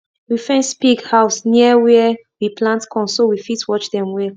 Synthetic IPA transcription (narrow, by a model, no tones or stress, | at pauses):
wifɛ̃nspiɡhaʊsniwɛɛ | wipʰlãntkʰɔ̃nsowifitwɔt͡ʃdɛ̃mwɛ